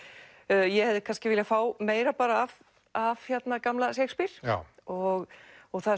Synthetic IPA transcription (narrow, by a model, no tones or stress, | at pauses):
jɛhɛvðɪkʰanscɪvɪːlɪafaːwmeːjɾapaːɾaːv | av̥çjɛt̪nakamlasejkspiɾ̥aɔɣɔɣθað